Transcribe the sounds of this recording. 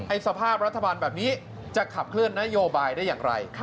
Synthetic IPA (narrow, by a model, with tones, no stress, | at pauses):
ʔa˧jsa˧pʰaː˥˩p̚ɾa˦˥t̪ʰːa˧baː˧nbɛː˨˩p̚niː˦˥ | t͡ɕa˨˩kʰa˨˩p̚kʰlɯ˥˩ənːa˦˥joː˧baː˧jdaː˥˩jːaː˨˩ŋɾa̰˧j